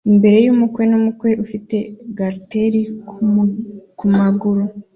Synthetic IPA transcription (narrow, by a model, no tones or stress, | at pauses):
imbe̞ɾe̞jumukwe̞numukwe̞ʔufite̞ɡaɾteɾi | kumaɡuɾu